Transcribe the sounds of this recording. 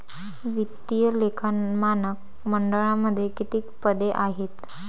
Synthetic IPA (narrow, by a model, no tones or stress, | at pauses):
ʋit̪ːijəlekʰamanək̚ | məɳɖəɭaməd̪ʱːjekit̪iːkpəd̪eʔaɦet̪